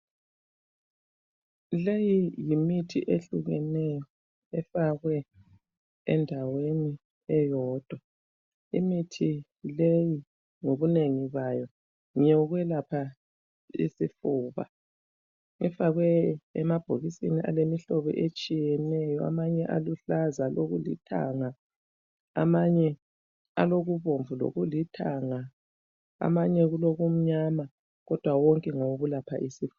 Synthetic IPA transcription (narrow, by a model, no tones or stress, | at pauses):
lejijimitʰḭʔeɬuɣɛnɛjɔ | ɛfaɣwɛ | ɛndʱaweni | ɛjɔːd̥ʱwa | ḭmitʰi | leji | ŋoβuneŋiβajɔ | ŋɛɣwɛlapʰa | ḭsifuːβa̰ | ŋɛfaɣwɛɛmab̥ʱoɣisiniʔa̰lemiɬɔβɛ̰ʔet͡ʃʼijɛnɛjɔa̰maɲɛʔaluɬazaloɣulḭtʰa̰ŋa | a̰maɲɛ | aloɣuβoɱvulo̰ɣulitʰaŋa | a̰maɲɛɣuloɣum̩ɲama | ɣɔd̥ʱwawɔŋkʼɛŋowɣulapʰa̰ʔisif